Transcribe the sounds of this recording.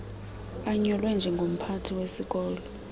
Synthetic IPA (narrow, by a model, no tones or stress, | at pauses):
aɲɔlwɛnd͡ʒʱɛŋɡʱom̩pʰatʰiwesik̬ʼɔːlɔ